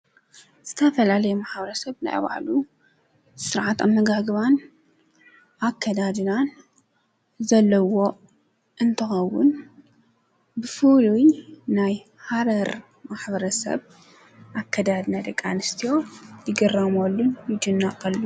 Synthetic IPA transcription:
z̥ɨt̪ʰɐfɐlalɐjɛmaħbɐɾɐsɐβna̰jβa̰ʕlu | sɨɾʕat̪a̰mːɐɡaɡβan | ʔakʰːɐd̪ad̪ɨnan | zɐlːɐwo̞ | ʔɨnt̪ʰɨxɐwːʊn | bɨfulujnaj | haɾɐɾ | maħbɐɾɐsɐ̰β | ʔakʰːɐd̪ad̪nad̪ɐkʼːanɨst̪ʰijo̞jɪɡɐrɐmolːunjɪd͡ʒɨnːakʼɐlːu

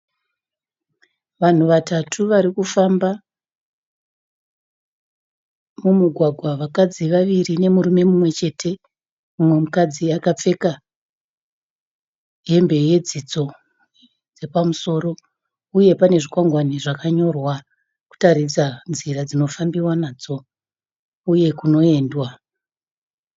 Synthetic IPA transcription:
ʋan̤uʋatatʰuʋaɾikufamba | mumuɡʱwaɡʱwaʋakad͡ziʋaʋirine̞muɾume̞mumwe̞t͡ʃe̞tʰe̞ | umwe̞mukad͡ziakap͡fe̞ka | ɦe̞mbe̞je̞d͡zit͡so̞ | d͡ze̞pamuso̞ːɾo̞ | uje̞pane̞ʐikwaŋɡwaniʐakaɲo̞rwa | ku̥taɾid͡zanziɾad͡zino̞fambiwanaːd͡zo̞ | uje̞kuno̞e̞ːndwa

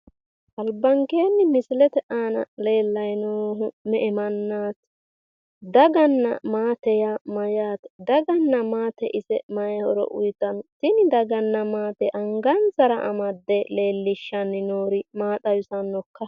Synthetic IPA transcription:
ʔɐlbːɐŋkeːnːɪmɪsɪlɛt̪ɛʔaːnɐ̰le̞ːlːɐjnoːɦʊmɛʔɛmɐnːaːt̪ | d̪ɐɡɐnːɐ̰maːt̪ɛjamɐjaːt̪d̪ɐɡɐnːɐmaːt̪ɛʔɪsɛmɐjhɔɾɔ̰ʔʊ̰jt̪ːɐntɪnɪd̪ɐɡɐnːɐmaːt̪ɛʔɐŋɡɐnt͡sɐɾɐ̰ʔɐ̰mɐd̪ːɛle̞ːlːɪʃːɐnːɪnoːɾɪmaːt̪ɐwɪsɐnːɔkːɐ

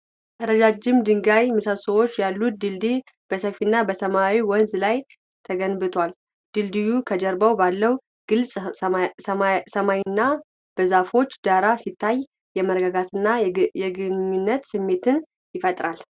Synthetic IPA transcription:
ʔəɾəd͡ʒad͡ʒːɪmd̪ɨŋɡajmɨsasəwo̞t͡ʃːjalːut̪̚d̪ɨld̪i | b̥əsəfinːabəsəmawiwɔnzlaj | t̪ʰəɡənbɨt̪ʰwal | d̪̥ɨld̪ijukʰəd͡ʒəɾbəwbalːəw | ɡ̥ɨlsʼ | səmajɪnːa | b̥əzafo̞t͡ʃːd̪aɾasit̪ʰːaj | jɛməɾɡəɡat̪ɨnːajɛɡɨɲɲːunːət̪sɨmːe̞t̪ɨn | jɪfət̪ʼɾal

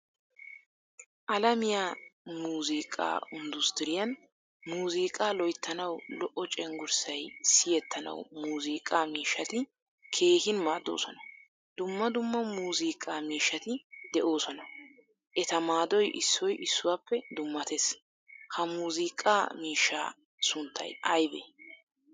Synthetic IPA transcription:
ʔɐlɐmɪjaːmuːziːkʼa̰ːʊnd̪ʊst̪ɪɾɪjɐn | muːziːkʼaːlɔjt̪ːɐnɐwlɔʔːɔt͡ʃʼɛŋɡʊɾsɐjsɪjɛt̪ʰːɐnɐ̰wmuːziːkʼaːmiːʃːɐt̪ɪ | kʰe̞ːhɪnmaːd̪o̰ːsɔnɐ | d̪̥ʊmːɐd̪ʊmːɐmuːziːkʼːaːmiːʃːɐt̪ɪd̪ɛʔo̞ːsɔnɐ | ʔɛt̪ɐmaːd̪ɔjʔɪsːɔjʔɪsːʊwaːpːɛd̪ʊmːɐt̪es | hɐmuːziːkʼːa̰ːmiːʃːa̰ː | sʊnt̪ʰːɐ̰jʔɐjbḛː

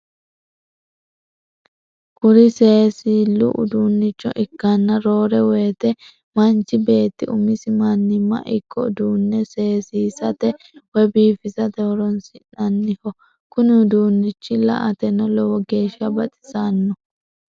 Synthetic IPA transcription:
kʊɾɪseːsiːlʊ̰ʔʊ̰d̪uːnːɪt͡ʃːɔ̰ʔɪkːanːɐɾo̞ːɾɛweːt̪ɛ | mɐnt͡ʃɪbe̞ːt̪ːɪʊmɪsɪmanːɪmːɐ̰ʔɪkʰːɔ̰d̪uːnːɛseːsiːsɐt̪ɛ | wɛbiːfɪzɐt̪ɛwɔɾɔnsɪnːɐnːɪhɔ | kʊnɪʊd̪uːnːɪt͡ʃːɪlɐ̰ʔɐt̪ɛnːɔlɔwɔɡe̞ːʃːɐbɐt̪ʼɪ̥saːnːɔ

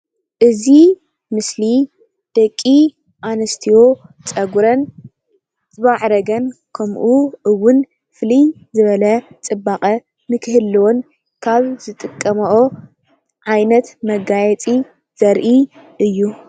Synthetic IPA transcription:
ʔɨzi | mɨsli | d̪̥ɐkʼːi | ʔanɐst̪ʰiwo̞t͡sʼɐɡuɾɐn | zɨβaʕɾɐɡɐnkʰɐmʔuʔɨwːʊn | fɨlij | zɨβɐlɐt͡sʼɨbːaχʼɐ | mɨkʰɨhɨlːiwon | kʰaβzɨt̪ʼɨkʼːɐmɐʔo | ʕajnɐt̪mɐɡajɛt͡sʼi | z̥ɐɾʔi | ɨjːu

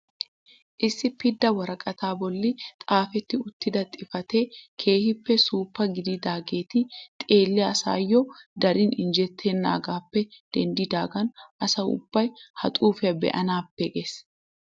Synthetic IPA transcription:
ʔɪsːɪpɪd̪ːɐwɐɾɐkʼɐt̪aːbɔlːɪt̪ʼaːfɛt̪ːɪʊt̪ːɪd̪ɐt̪ʼɪfɐt̪eːkʰe̞ːhɪpːɛsuːpːɐɡɪd̪ɪd̪aːɡe̞ːt̪ɪt̪ʼe̞ːlːɪɐsa̰ːjːɔd̪ɐɾɪnɪnd͡ʒɛt̪ʰːenːa̰ːɡaːpːɛd̪̥ɛnd̪ɪd̪aːɡɐnʔɐsɐwʊ̰b̥ːɐjhɐt̪ʼuːfɪɐbɛ̰ʔɐnaːpːɛɡes

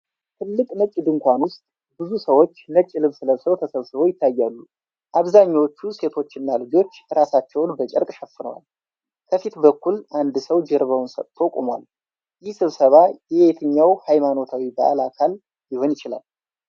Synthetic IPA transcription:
t̪ʰɨlːɨkʼnət͡ʃʼːɪd̪ɨŋkʷanwʊst̪ʼ | bɨzusəwo̞t͡ʃːnət͡ʃʼːɪlɨβsɨləsəwt̪ʰəsəβsɨβo̞jɪt̪ʰːajːalːu | ʔaβzaɲːawot͡ʃːuse̞t̪ʰo̞t͡ʃːɪɨnːalɨd͡ʒo̞t͡ʃːɾasat͡ʃːɛwnbət͡ʃʼɪ̰ɾkʼʃəfːɨnə̰wa̰l | kʰəfit̪bəkːulʔand̪səwd͡ʒɛɾβəwnsət̪ʰːokʼomwa̰l | jɪhsɨβsəβajɛet̪ʰəɲːawhajmano̞t̪ʰawiba̰ʔa̰lakʰal | jɪho̞njɪt͡ʃɪla̰l

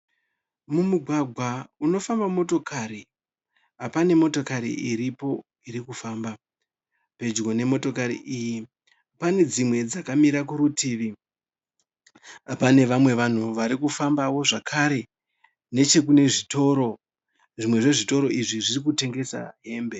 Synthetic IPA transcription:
mumuɡʱwaɡʱwauno̞fambamo̞to̞kʰaɾi | apane̞mo̞to̞kaɾḭiɾipo̞ | iɾikufaːmba | pe̞d͡ʒɡo̞ne̞mo̞to̞kaɾḭʔiːji | pane̞d͡zimwe̞d͡zakamiɾakuɾutiːʋi | pane̞ʋamwe̞ʋan̤uʋaɾikufambaʋo̞ʐakʰaɾe̞ | ne̞t͡ʃe̞k̬une̞ʐito̞ɾo̞ | ʐimwe̞ʐe̞ʐito̞ɾoiʐiʐirikute̞ŋɡe̞sa̰ɦe̞ːmbe̞

